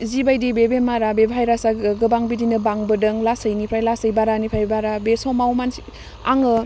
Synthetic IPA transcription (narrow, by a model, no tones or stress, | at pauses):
zibajdibebemaɾabebʱajɾasaɡɯbaŋbidinɯbaŋbɯdɯŋlasəjnipʰɾajlasəjbaɾanipʰajbaɾabesɔmawmansi | a̰ŋɯ